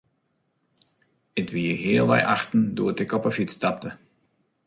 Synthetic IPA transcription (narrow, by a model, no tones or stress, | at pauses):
ɪtʋiəɦɪːlˠʋɛ̰jʔaxtn̩duətəkɔpəfitstap̚tə